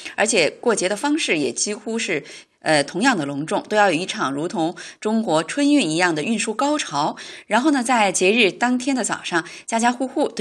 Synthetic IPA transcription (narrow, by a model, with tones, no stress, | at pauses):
ə˞˧˥t͡ɕʰjɛ˨˩kwɔ˥˩t͡ɕjɛ˧˥d̪ə˧fɑ˥ŋʂɻ̩˥˩jɛ̰˨˩t͡ɕi˥xu˥ʂɻ̩˥˩ | ə˧t̪ʰʊ˧˥ŋjɑ˥˩ŋd̪ə˩lʊ˧˥ŋʈ͡ʂʊ˥˩ŋt̪o˥ʊjɑ˥˩ʊjɔ˨˩˧i˥˩ʈ͡ʂʰɑ˨˩ŋɻu˧˥t̪ʰʊ˧˥ŋʈ͡ʂʊ˥ŋkwɔ˧˥ʈ͡ʂʰwə˥ny˥˩ni˧˥jɑ˥˩ŋd̪ə˩y˥˧nʂu˥˩kɑ˥ʊʈ͡ʂʰɑ˧˥ʊɻa˧˥nxo˥˩ʊnə˩t͡sa˥˩ɪt͡ɕjɛ˧˥ɻɻ̩˥˩t̪ɑ˥ŋt̪ʰjɛ˥nd̪ə˨t͡sɑ˨˩ʊʂɑ˥˩ŋt͡ɕja˥˩t͡ɕja˥xu˥xu˥˩t̪